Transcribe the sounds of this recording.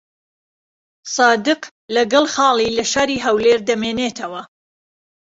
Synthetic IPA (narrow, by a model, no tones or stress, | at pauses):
sɑːd̪ɨq | lɐɡɐlˠxɑːlˠiːlɐʃaːɾiːɦɐwleːɾd̪ɐmeːneːt̪ʰɐwɐ